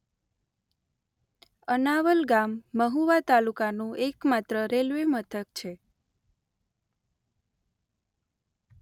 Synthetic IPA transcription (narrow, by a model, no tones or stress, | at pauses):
ənaʋəlɡamːəɦuʋat̪alukanũekmat̪ɾəɾelʋemət̪ʰəkt͡ʃʰe